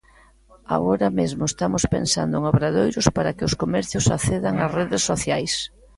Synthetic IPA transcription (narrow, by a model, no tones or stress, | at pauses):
a̰ɣoɾamezmʊest̪amʊspḛnsa̰nd̪ʊeŋaβɾaðojɾʊspaɾakɪʊskomɛɾθjʊsaθeðaŋasreðesːoθjajs